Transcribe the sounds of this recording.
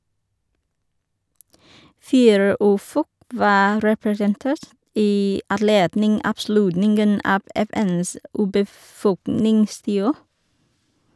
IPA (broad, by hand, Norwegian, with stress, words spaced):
ˈfiːɾə ˈʉːˌfɔk ˈʋɑː ɾɛpɾɛsənˈteːɾt ˈiː ɑdˈleːdnɪŋ ɑːbˈslʉtnɪŋɡən ˈɑːb ɛˈfɛns ʉːbəˈfɔknɪŋˌstiːoː